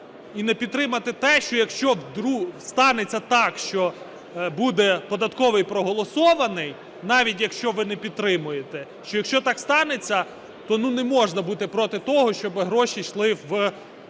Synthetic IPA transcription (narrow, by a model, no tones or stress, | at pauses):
inɛpʲid̪t̪t̪ːɾɪmɐt̪ɪt̪ɛʃt͡ʃɔjɐkʃt͡ʃɔʋd̪ɾust̪ɑnet͡sʲːɐt̪ɑkʃt͡ʃɔ | bud̪ɛpɔd̪ɐt̪kɔʋɪjpɾɔɦɔlˠɔsɔʋɐnɪj | nɑʋʲitʲjɐkʃt͡ʃɔʋɪnɛpʲid̪̚t̪ːɾɪmʊjet̪ɛ | ʃt͡ʃɔjɐkʃt͡ʃɔt̪ɑkst̪ɑnet͡sʲːɐ | t̪ɔnunɛmɔʒnɐbut̪ɪpɾɔt̪ɪt̪ɔɦɔʃt͡ʃɔbɪɦɾɔʃiʃlˠɪʋ